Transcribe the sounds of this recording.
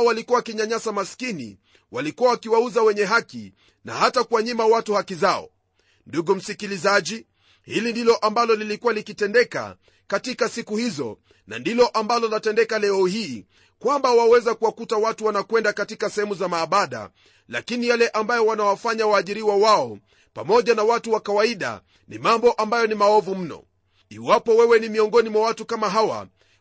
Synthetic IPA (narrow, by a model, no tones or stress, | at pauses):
ɔwalikuwawakiɲaɲasamaskinḭ | walikuwawakiwauzawɛɲɛɦakḭ | na̰hatakuwaɲimawatuhakizaɔ̰ | nduɡum̩sikilizaʄi | hilindilɔʔambalɔlilikuwalikitɛndɛka̰ | katikasikuhizɔ̰ | na̰ndilɔʔambalɔnatɛndɛkalɛɔhiː | kwambawawɛzakuwakutawatuwanakwɛndakatikasɛhɛmuzamaːɓaɗa̰ | la̰kinijalɛʔambajɔwanawafaɲawaːʄiɾiwawaɔ | pa̰mɔʄanawatuwakawaiɗa̰ | nḭmambɔʔambajɔnimaɔvum̩nɔ̰ | iwapɔwɛwɛnimiɔŋɡɔnimwawatukamaɦawa̰